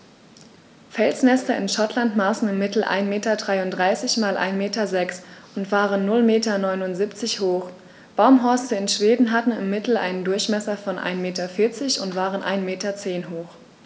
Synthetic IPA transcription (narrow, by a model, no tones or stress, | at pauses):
fɛlsnɛstɐʔɪnʃatʰlantmaːsn̩ɪmːɪtl̩ʔa̰ɪnmeːtɐdʁaɪʊntdʁaɪsɪçmaːlʔa̰ɪnmeːtɐzɛksʔʊntv̥aːʁənːʊlmeːtɐnɔʏnʊntz̥ipt͡sɪçhoːx | b̥aʊmɦɔɐstəɪnʃv̥eːdn̩ɦatn̩ɪ̰mːɪtl̩ʔa̰ɪnəndʊɐçmɛsɐfɔnʔa̰ɪnmeːtɐfɪɐt͡sɪçʊ̰ntv̥aːʁənʔa̰ɪnmeːtɐt͡seːnɦoːx